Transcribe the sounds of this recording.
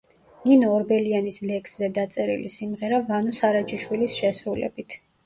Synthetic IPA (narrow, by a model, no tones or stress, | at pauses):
ninɔːɾbɛlianislɛkszɛd̪at̪sʼɛɾḭlisimʁɛɾavanɔsaɾat͡ʃʰʼiʃwilisʃɛsɾulɛ̰bit̪ʰ